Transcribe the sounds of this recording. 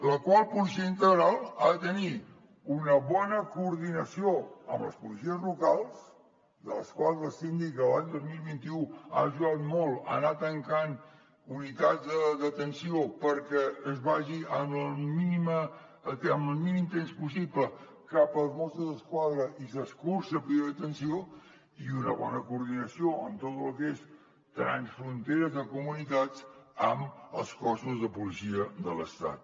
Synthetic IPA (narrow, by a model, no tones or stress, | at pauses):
ləkwalˠpulisiəint̪əɣɾalˠa̰ðət̪əni | unəβɔnəkuːɾðinəsioə̰mblə̰spulisiəzlukalˠs | d̪ə̰ləskwalˠzəsind̪ikəlaɲd̪ozmilˠβint̪iua̰ʒuat̪mɔlˠə̰nat̪əŋkan | unit̪ad͡zd̪əðət̪ənsiopəɾkɛəzβaʒiəməlˠminimə | t̪əməlˠminimt̪enspusiplə | kapəlˠzmɔst̪uzðəskwaðɾəʔisəskursəpɾiðət̪ənsio | iunəβɔ̰nəkuɾð̞inəsioəmt̪ot̪lukes | t̪əɾa̰nsfɾunt̪eɾəzðəkumunit̪at͡səmə̰lˠskɔsuzðəpulisiəðələst̪a̰t̪̚